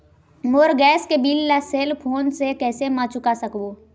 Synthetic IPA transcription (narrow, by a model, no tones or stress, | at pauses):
moːɾɡɛːskebiːlːaseːlpʰoːnsekɛːsemãt͡ʃʊkasəkboː